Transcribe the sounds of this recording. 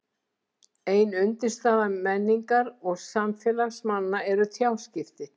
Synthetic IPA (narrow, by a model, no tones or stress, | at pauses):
eːjnʏnt̪ɪ̥st̪aːðamɛnːiŋkaɾɔɣsamfjɛːlaɣsmanːaɛɾʏt̪ʰjawscɪft̪ɪ